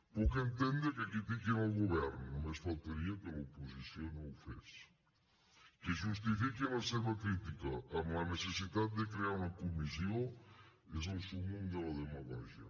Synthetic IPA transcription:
pokent̪end̪ekekɾit̪ikenalɣoβɛɾnʊmesfalt̪eɾiakelaoposisjonowfḛs | keʒust̪ifikenaseβɐkɾit̪ikɐamanesesit̪at̪̚d̪ekɾeaɾunɐkomis̬jo | esulsumuŋd̪elaðemaɣa̰ʒjɐ̰

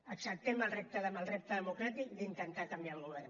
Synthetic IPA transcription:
əksək̚t̪emalrep̚t̪aðəmalrep̚t̪əðəmukɾat̪ikd̪int̪ent̪akambjalɣuβɛɾ

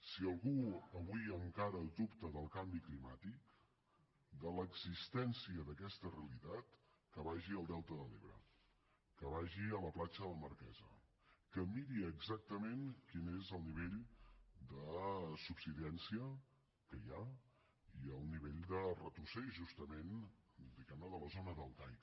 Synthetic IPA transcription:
siəlˠɣuəβuiəmkaɾəd̪upt̪əðəlˠkambiklimat̪ik | d̪ələɡzist̪ɛnsiəðəkɛst̪əreəlit̪at̪ | kəβaʒiəlˠd̪ɛlˠt̪əðəleβɾə̰ | kəβaʒiələplat͡ʃələməɾkɛ̰zə̰ | kəmiɾiəɡzak̚t̪əmenkinezəlˠniβeʎd̪əsupsiðɛnsiə | kəja | iəlˠniβeʎd̪ərət̪usɛʒust̪əmend̪iɣɛmnəðələzonəðəlˠd̪ajk

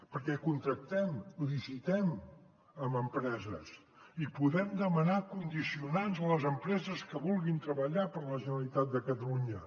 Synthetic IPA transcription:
pəɾkɛkunt̪ɾək̚t̪ɛmðizit̪ɛm | əməmpɾɛzəs | ipuðɛmd̪əmənakund̪isiunanzələzəmpɾɛzəskəβulˠɣint̪ɾəβəʎapəɾləʒənəlit̪at̪̚d̪əkət̪əluɲə

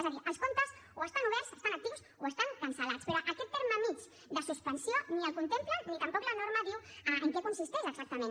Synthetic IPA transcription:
ezðaðiɾaskont̪asoest̪anuβɛɾse̥st̪anak̚t̪iβus | oest̪aŋkansalat̪speɾoʔaket̪p̪ːeɾmamiz | d̪əsuspansjonialkunt̪emplanit̪ampɔklanoɾmaðiwaeŋkekunsist̪eʒaeksak̚t̪amẽn

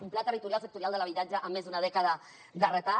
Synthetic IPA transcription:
umplat̪ərit̪uɾjalˠsək̚t̪uɾjalˠd̪əlaβit̪ad͡ʒəʔəmːezðunað̞ɛkəðə | d̪ərət̪a

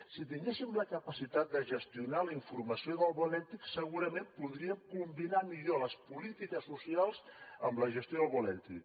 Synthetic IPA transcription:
sit̪̬iŋɡesimləkəpəsit̪at̪̚d̪əʒəst̪iunaləiɱfuɾməsioðəlˠβɔlɛt̪iksəɣuɾəmempuðɾiəmkumbinamiʎoləspulit̪ikəsːusialˠz̥əmləʒəst̪joðəlˠβɔlɛt̪ḭk

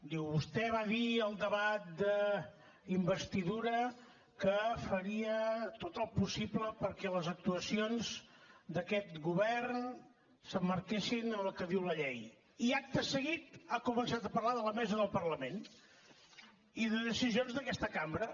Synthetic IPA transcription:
d̪iwβust̪ɛβaðiəlˠd̪əβat̪̚d̪ə | imbəst̪iðuɾə | kəfəɾiət̪ot̪əlˠpusibləpəɾkɛləzək̚t̪uəsionzd̪əkɛt̪ɣuβɛrn | səmːəɾkeʃinənəlˠkəðiwləʎɛj | iak̚t̪əsəɣit̪akumənsat̪əpərlaðələmɛzəðəlˠpərləmen | iðəðəsizionzðəkɛst̪əkambɾə

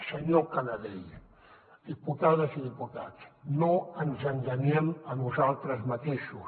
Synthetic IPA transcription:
seɲokanaðej | d̪̥iput̪aðasiðiput̪a̰t̪snoansanʒanemanuzalt̪ɾəzmat̪eʃus

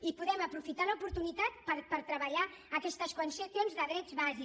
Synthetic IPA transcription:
ipuðɛməpɾufit̪aləupuɾt̪unit̪at̪pəɾpəɾt̪ɾəβəʎaəkɛst̪əskwənsəsjonzðəðɾɛd͡zβazi

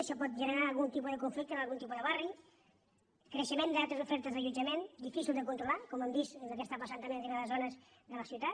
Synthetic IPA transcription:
əʃɔpɔt̪̚ʒənəɾalˠɣunt̪ipuðəkuɱflik̚t̪əəlˠɣunt̪ipuðəβari | kɾəʃəmend̪alˠt̪ɾəzufɛɾt̪əzðəʎud͡ʒəmend̪ifisilˠd̪əkunt̪ɾulakɔməmd̪isəzðək̬est̪apasant̪əmẽnriaðəzonəz | ðələsiut̪at̪

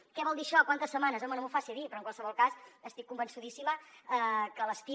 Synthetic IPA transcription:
kɛβɔlˠd̪iʃɔkwant̪əsːəmanəzɔmənomufasiðipɾɔəŋkwalˠsəβɔlˠkasəst̪ikːumbənsuðisiməəkələst̪i

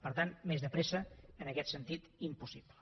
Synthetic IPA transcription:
pəɾt̪anmezðəpɾesəːnəkɛt̪sənt̪it̪impusiplə

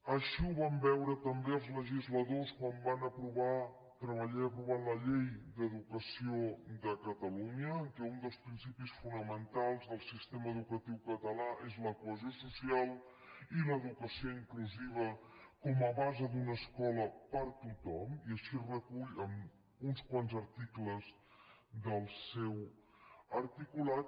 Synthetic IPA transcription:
əʃiuβambɛwɾət̪əmbeəlˠzləʒizləðoskwambanəpɾuβa | t̪ɾəβəʎaəpɾuβ̞aləʎejd̪əðukəsiod̪əkət̪əluɲəːŋkɛund̪əlˠspɾinsipisfunəmənt̪alˠzðəlˠsist̪eməːðukət̪iwkət̪əlaʔezləkuəzjosusialˠ | iləðukəsioiŋkluziβ̞əkɔməβazəd̪unəskɔləpəɾt̪ut̪ɔmiəʃirəkuʎəm | unskwanzəɾt̪ikləz | d̪əlˠsɛw | əɾt̪ikulat̪

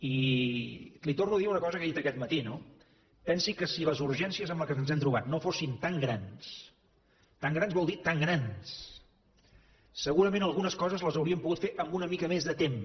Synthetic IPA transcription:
i | lit̪ornuəðiɾunəkɔzəkəðit̪əkɛt̪̚mət̪ino | pɛnsikəsiləzuɾʒɛnsiəzəmləkənzɛmt̪ɾuβat̪nofosint̪aŋɡɾans | t̪aŋɡɾanzβɔlˠd̪it̪aŋɡɾans | əɣuɾəmẽnəlˠɣunəskɔzəzləzəwɾiəmpuɣut̪feʔəmbunəmikəmezðət̪em

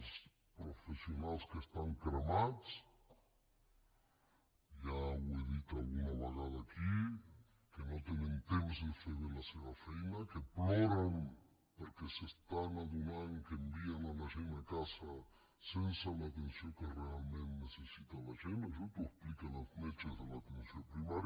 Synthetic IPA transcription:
s | pɾofesionalˠskest̪aŋkɾamat͡s | ʒaweðit̪alˠɣunaβ̞eɣ̞að̞aːki | kenot̪enent̪emzðefeðelaseβafɛjnakeplɔɾan | poɾkesest̪aŋaðunaŋkeːmbienalaʒenakasa | sensaunat̪ensjokerealmẽnnesesit̪alaʒenosot̪ouesplikanazmlet͡ʃezðelat̪ensjopɾiβaɾ

